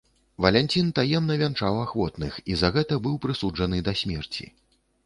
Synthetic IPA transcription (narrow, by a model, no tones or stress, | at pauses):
vɐlʲɛnʲt͡sʲint̪ajɛmnɐvʲant͡ʂawaxvɔt̪nɨxizɐɣɛt̪ɐbɨwpɾɨsud͡ʐɐnɨd̪ɐsʲmʲɛrt͡sʲḭ